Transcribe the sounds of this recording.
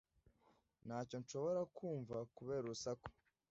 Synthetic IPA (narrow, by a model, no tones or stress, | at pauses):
naːco̞nʃo̞βo̞ɾakʰuːɱvakuβe̞ːɾusako̥